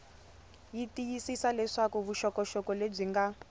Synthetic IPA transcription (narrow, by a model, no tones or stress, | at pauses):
jitijisisalɛʂakuβuʃɔkɔʃɔkɔleb͡ʐiŋɡa